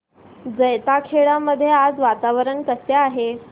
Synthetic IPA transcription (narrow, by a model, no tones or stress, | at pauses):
d͡zəjt̪akʰeɭaməd̪ʱːjead͡zʋat̪aʋəɾəɳk̪əseaɦe